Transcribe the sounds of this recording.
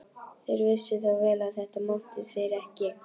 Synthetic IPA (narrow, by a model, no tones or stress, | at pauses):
θejɾvɪsʏθawvɛːlaðθɛht̪amawnt̪ɪðθɛɾɛhcɪ